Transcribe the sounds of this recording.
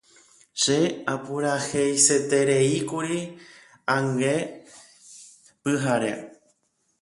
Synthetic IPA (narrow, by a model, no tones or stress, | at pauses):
ʃeapuɾaxejse̞t̪e̞ɾeikuɾi | ãŋɡe | pɨɦaɾḛ